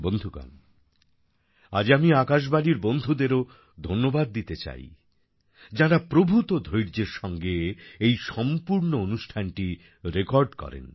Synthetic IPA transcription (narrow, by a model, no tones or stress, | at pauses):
bond̪ʱuka̰n | a̰d͡ʑamiakaʃ̬baliɾbond̪ʱud̪eɾo | d̪ʱonːobad̪̚ːit̪et͡ɕa̰j | d͡ʑaɾapɾobʱut̪od̪ʱojɾd͡ʑeɾʃɔŋɡeejʃɔmpuɾnoonuʃʈʰanʈi | ɾekɔɾɖkɔ̰ɾḛn